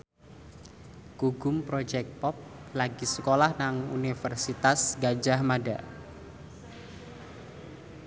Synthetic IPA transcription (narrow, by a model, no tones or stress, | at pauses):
kuɡʊmpɾod͡ʒɛk̚t̪̚pɔp̚laɡisəkolahnaŋṵnifərsit̪asɡad͡ʒahmada̰